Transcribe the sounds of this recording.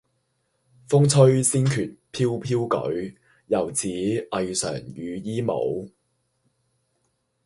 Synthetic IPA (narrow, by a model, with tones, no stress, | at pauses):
fʊ˥ŋt͡sʰɵ˥ɥsiː˥nkʰyː˨˩t̚pʰiː˥wpʰiː˥wkɵ̰˨˥ɥ | jɐ˨˩wt͡sʰiː˨˥ʔɐ˧jsœ̰ː˨˩ŋjyː˨˧jiː˥mo̰˨˧w